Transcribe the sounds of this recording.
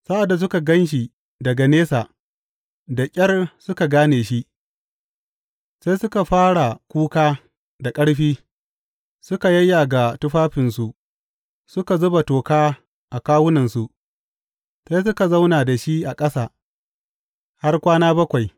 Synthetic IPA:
sa˦ʔa˨dːa˨s̬ʊ˦ka˨ɡɐ˦nʃ̬i˨ | dɐ˨ɡa˨neː˦saː˨ | da˨kʲʼɐ˦rsʊ˦ka˨ɡaː˦neː˨ʃi˦ʔ | sa˦jsʊ˦ka˨ɸaː˦ɽa˨kʷuː˦kaː˦ | da˨kʼɐ˦ɽɸiː˦ | sʊ˦ka˨jɐ˦jːa˨ɡa˨tʊ˦ɸaː˦ɸɪ˨nsu˨ʔ | sʊ˦ka˨zʊ˦ba˨toː˨kaː˦ | ʔa˨kaː˦wʊ˦nɐ˨nsu˨ʔ | sa˦js̬ʊ˦ka˨za˦wnaː˨da˨ʃi˦ʔa˨kʼɐ˦saː˨ | ha˦rkʷaː˦naː˦bɐ˦kʷa˨j

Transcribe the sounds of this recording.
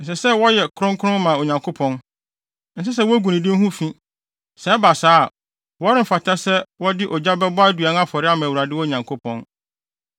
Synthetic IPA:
n̩˨s̬ɛ˨sɛ˦wɔ˦jɛ˨kʰʊ˦ʊ̃˦ŋkʰʊ˦ɾʊ̃˦mã˨o˨ɲã˨ŋkʰo˦pʰɔ̃˦n | n̩˨s̬ɪ˦s̬ɛ˦wɔ˦æ˦ɡu˨nĩ˨dɪ̃˦m̩˦ɦũ˦fĩ˦ | sɛ˨ɛ˦ba˨saː˦˨ | wɔ˦ɾɪ̃˦m̩˨fa˨tʰa˦sɛ˦wɔ˦dɪ˦ʔɔ˨d͡ʑa˦bɛ˦bʊ˦a˦dɥa˨n˦a˦fɔ˨ɾɪ˦a˦mã˨wu˨ɾa˨dɪ˦wɔ˦˨ɲã˨ŋkʰo˦pʰɔ̃˦n

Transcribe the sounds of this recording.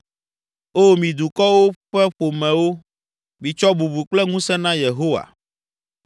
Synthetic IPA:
o˦mĩ˨d̪u˨kɔ˦wo˦ɸɛ˦ɸo˨mɛ̃˨wo˦ | mĩ˨t͡ʃɔ˦bu˨bu˨k͡plɛ˦ŋũ˦sɛ˦nã˦je˨ɦo˦wa̰˨

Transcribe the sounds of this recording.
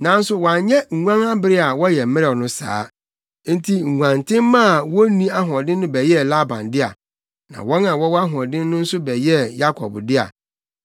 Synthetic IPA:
nã˨n̩˦sʊ˦wã˨ɲɛ˦ŋ̩˨ŋã˦ŋa˦bɪ˦ɾɪ˦a˨wɔ˦jɛ˨m̩˦mɪ̃˦ɾnʊ̃˦sa̰ː˨˦ | n̩˦tʰi˦ŋ̩˨ŋã˨ntʰɪ̃˦m˦mã˦˨wɔ˦nĩ˦a˦ɦɔ̃˨dɪ˦n˦nʊ̃˦bɛ˨jɛ˦la˦bã̰˨ndɪ˦a̰˨ | nã̰˨wɔ̃˦nã˨wɔ˦wa˦ɦɔ̃˨dɪ̃˦nː˦ʊ̃˦n̩˦sʊ˦bɛ˨jɛ˦ja˦kʰɔ̰˨bdɪ˦a̰˨

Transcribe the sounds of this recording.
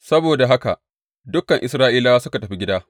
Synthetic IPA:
sɐ˦boː˨da˨ɦa˦ka̰˨ | dʊ˦kːɐ˨ŋʔɪ˨sɾaː˦ʔiː˦laː˦sʊ˦ka˨tɐ˨ɸi˦ɡʲɪ˦daː˦

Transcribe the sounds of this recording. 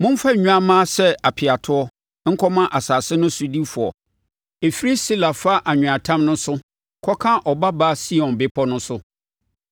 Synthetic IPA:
mʊ̃˦m̩˦fa˦ɲ˨ɲ̃ᶣ˦a˦mãː˦sɛ˦a˨pʰɪ˨a˨tʰʊ˦ɔ˦ | ŋ̩˦kʰɔ˦mã˦ʔa˨saː˨sɪ˦nʊ̃˦sʊ˦di˦fʊ˨ɔ̰˨ | e˨fi˦ɾi˦si˦la˨fa˦ʔa˨ɲᶣʊ̃˨a˨tʰã˦mnʊ̃˦sʊ˦ | kʰɔ˦kʰã˦ʔɔ˨ba˦baː˦si˦ɔ̃˨nbɪ˦pʰɔ˦nʊ̃˦sʊ˦

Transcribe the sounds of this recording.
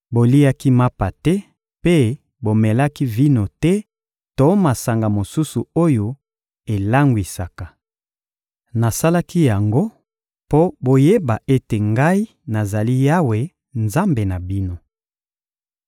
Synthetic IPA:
bo˨li˦a˦ki˦ma˦pa˨tɛ˦ | pe˦ | bo˨mɛ˨la˦ki˦vi˦no˨tɛ˦ | to˨˦ma˨sa˨ŋɡa˨mo˨su˦su˨o˦jo˨ | e˨la˦ŋɡwi˨sa˨ka˨ | na˨sa˦la˦ki˦ja˨ŋɡo˦ | po˦bo˨je˦ba˨ʔe˦te˨ŋɡa˦i˦ | na˨za˨li˦ja˦we˨ | nza˦mbe˨na˨bi˦no˦

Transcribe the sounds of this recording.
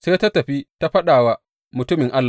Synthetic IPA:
seː˦ta˦tɐ˨ɸi˦ta˦ɸɐ˦ɗaː˨wa˦ | mʊ˨tʊ˦mɪ˨ŋʔa˦lː

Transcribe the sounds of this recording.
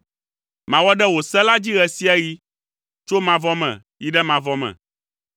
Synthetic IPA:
mã˨wɔ˦ɖɛ˦wo˨sɛ˦la˦d͡ʑi˦ɣɛ˨si˦ɛ˦ɣi˦ | t͡ʃo˦mã˨vɔ˦mɛ̰̃˨ | ji˦ɖɛ˦mã˨vɔ˦mɛ̰̃˨

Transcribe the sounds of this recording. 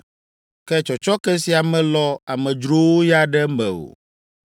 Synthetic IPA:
kɛ˦t͡ʃɔ˨t͡ʃɔ˦kɛ˦si˨a˨mɛ̃˨lɔ˦a˨mɛ̃˨d͡ʒɾo˦wo˦ja˦ɖɛ˦mɛ̃˨o̰˨

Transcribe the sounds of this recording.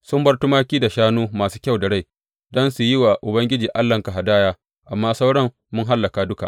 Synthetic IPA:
sʊ˦mbɐ˦rtʊ˦maː˦kʲiː˦da˨ʃaː˦nuː˦maː˨suː˦kʲa˦˨wda˨ɽa˦˨j | dɔ˦nsu˨jɪ˦wa˨ʔʊ˨bɐ˦ŋɡʲɪ˦d͡ʒiː˨ʔa˦lːɐ˨ŋka˨ɦa˨daː˦jaː˦ | ʔa˨mːaː˦sa˦wɽɐ˦m | mʊ˦ŋɦa˦lːɐ˨kaː˨dʊ˦ka̰˨ʔ

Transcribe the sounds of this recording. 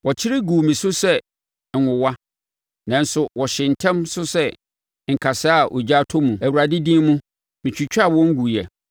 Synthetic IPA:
wɔ˨t͡ɕʰɪ˦ɾɪ˦ɡu˨mĩ˨sʊ˦sɛ˦ | ŋ̩˨ŋʊ̃˨wa˦ | nã˨n˦sʊ˦wɔ˨ɕɪ̃˨n̩˨tʰɛ̃˦msʊ˦sɛ˦ | ŋ̩˨kʰa˨sa˦a˦˨ʔo̰˨d͡ʑa˦tʰʊ˦mũ˨æ˨wu˨ɾa˨dɪ˦dĩ˦mũ˦ | mĩ˨t͡ɕʰᶣi˨t͡ɕʰᶣa˦˨wɔ̃˦ŋ̩˦ɡu˨jɛ˨

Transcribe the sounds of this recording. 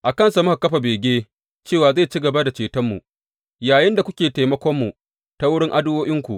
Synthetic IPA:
ʔa˨kɐ˦nsa˨mʊ˦ka˨kɐ˦ɸa˨beː˨ɡʲeː˦ | t͡ʃeː˦˨waː˨za˦˨t͡ʃi˦ɡɐ˨ba˦da˨t͡ʃeː˨tɐ˦mːu˨ʔ | jaː˨jɪ˦nda˨kʷʊ˦kʲeː˨teː˨jmɐ˦kʷɔ˦mːu˨ | ta˦wʊ˦ɽɪ˦ŋʔa˦dʊ˦oː˦ʔɪ˦ŋkʷu˨ʔ

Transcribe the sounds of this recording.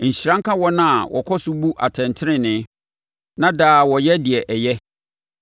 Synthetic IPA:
ɲ̩˨ɕi˨ɾã˦ŋ˦kʰã˦wɔ˦nã˦a˨wʔɔ̰˨kʰɔ˦sʊ˦bu˦ʔa˨tʰɛ̃˨ntʰɪ˦ɾɪ̃˦nɪ̃˨˦ | nã˦daː˨wɔ˨jɛ˦dɪ˨ɛ˨ʔɛ˨jɛ˦

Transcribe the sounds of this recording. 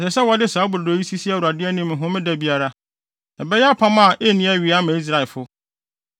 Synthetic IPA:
sɛ˨sɛ˦wɔ˦dɪ˦saː˨˦bʊ˨ɾo˨˦ji˦si˦si˦a˦˨u˨a˨dɪ˦ɛ˦nĩ˦mɪ̃˨ɦʊ̃˦mɪ̃˦dæ˦˨bi˦a˦ɾa˦ | na˨bɛ˦jɛ˦a˦pʰã˦mã˦˨ʔe˦˨nĩ˦æ˦˨ɥi˨a˦mã˨i˦s̬ɾa˨ɪ˨lfʊ˦

